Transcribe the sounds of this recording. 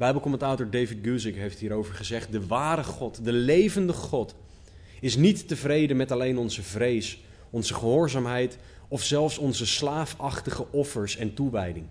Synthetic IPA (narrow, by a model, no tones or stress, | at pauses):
bɛjbəlˠkɔmɛntaːtɔɹdejvɪd̚ɡuzɪkɦejftɦiːɾowvəɹχəzɛχt̚dəʋaːɾəχɔtdəlejvəndəχɔt | ɪsnitːəvrejdəmɛtɑlejnɔnzəvrejs | ɔnzəχəɦʊːɹzaːmɦɛjt | ɔfsɛlˠfsɔnzəslaːfɑχtəχəʔɔfəɹsɛntuʋɛjdɪŋ